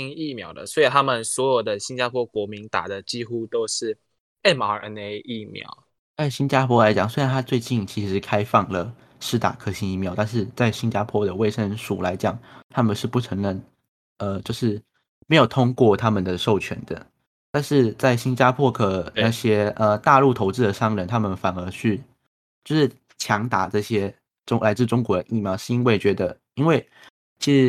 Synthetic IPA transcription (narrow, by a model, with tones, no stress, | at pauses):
i˥ŋi˥˩mjɑ̰˧˥ʊd̪ə̰˨swɔ˧˥i˨˩t̪ʰa˥mə˨nswɔ˧˥jo˨˩ʊd̪ə˨ɕi˥nt͡ɕja˥pʰwɔ˥kwɔ˧˥mi˧˥ŋt̪a̰˨˩d̪ə˨t͡ɕi˥xu˥t̪o˥ʊʂɻ̩˥˩ | e˥˩ma˧˥˩ʔə˧˦ne˥ɪi˥˩mjɑ̰˧˩˦ʊ | t͡sa˥˩ɪɕi˥nt͡ɕja˥pʰwɔ˥la˧˦ɪt͡ɕjɑ˨˩ŋswe˥ɪɻa˧nt̪ʰa˥t͡swe˥˧ɪt͡ɕi˥˩nt͡ɕʰi˧˥ʂʂɻ̩˧˥kʰa˥ɪfɑ˥˩ŋlə˩ | ʂɻ̩˥˧t̪a̰˨˩kʰɤ˥ɕi˥ŋi˥˩mjɑ˧˦ʊt̪a˥˧nʂ̬ɻ̩˥˧t͡sa˥˩ɪɕi˥nt͡ɕja˥pʰwɔ˥ɾə˨we˥˩ɪʂə˥nʂu˨˩la˧˥ɪt͡ɕjɑ˨˩˦ŋt̪ʰa˥mə˨nʂɻ̩˥˧pu˥˩ʈ͡ʂʰɤ˧˥ŋɻə˥˩n | ə˧t͡ɕjo˥˧ʊʂɻ̩˥˩ | me˧˥ɪjo˨˩ʊt̪ʰʊ˥ŋkwɔ˥˩t̪ʰa˥mə˨nd̪ə˩ʂo˥˩ʊt͡ɕʰɥɛ̰˧˥nd̪ə̰˧ | t̪a˥˧nʂɻ̩˥˧t͡sa˥˩ɪɕi˥nt͡ɕja˥pʰwɔ˥kʰɤ˨˩na˥˩ɕjɛ˥ə˧˩t̪a˥˧lu˥˩t̪ʰo˧˥ʊt͡sɻ̩˥˩d̪ə˩ʂɑ˥ŋɻə˨˩nt̪ʰa˥mə˨nfa˨˩nə˞˧˥t͡ɕʰy˥˩ | t͡ɕjo˥˧ʊʂɻ̩˥˩ | t͡ɕʰjɑ˧˥ŋt̪a˨˩ʈ͡ʂɤ˥˩ɕjɛ˥ | ʈ͡ʂʊ˥ŋla˧˥ɪt͡sɹ̩˥˩ʈ͡ʂʊ˥ŋkwɔ˧˥d̪ə˧ʔi˥˩mjɑ˧ʊʂɻ̩˥˩i˥nwe˥˩ɪt͡ɕɥɛ˧˥d̪ə˧ | i˥nwe˥˩ɪ | t͡ɕʰi˧˥ʂɻ̩˧˥